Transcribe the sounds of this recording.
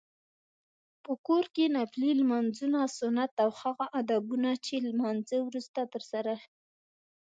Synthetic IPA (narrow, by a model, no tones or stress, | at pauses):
pəkoɾkenaflilmanzunasʊnat̪awhaɣaʔad̪abunat͡ʃelmanzəwɾust̪at̪əɾsaɾaʃi